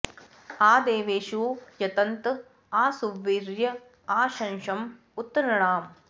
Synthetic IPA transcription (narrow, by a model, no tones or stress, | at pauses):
aːd̪eːʋeːʃuːjɐt̪ɐnt̪ | aːsuʋːiɾjɐ | aːʃɐnʃɐm | ut̪ːɐɾɐɳaːm